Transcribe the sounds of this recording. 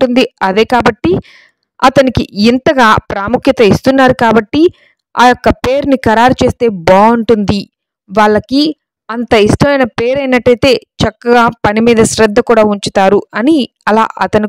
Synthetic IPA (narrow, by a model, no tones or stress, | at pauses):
ʈund̪iɐd̪e̞ːkaːbɐʈːi | ɐt̪ɐnikiint̪ɐɡaːpɾaːmukʰjɐt̪ɐist̪unːaːɾukaːbɐʈːi | a̰ːjokːɐpe̞ːɾnikɐɾaːɾut͡ʃe̞ːst̪e̞ːbaːuɳʈund̪i | ʋaːɭːɐki | ɐnt̪ɐiʂʈɐmɐjnɐpe̞ːɾɐjnɐʈːɐjt̪e̞ːt͡ʃɐkːɐɡaːpɐnimiːd̪ɐʃɾɐd̪ʱːɐkuːɽaːuɲt͡ʃut̪aːɾuɐni | ɐla̰ːʔɐt̪ɐni